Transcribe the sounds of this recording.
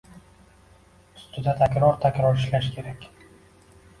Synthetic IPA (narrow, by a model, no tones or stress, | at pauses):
st̪ʊd̪at̪ʰakʲɾɒɾt̪ʰakʲɾɒɾɪʃlaʃkʲʰe̞ɾakʲ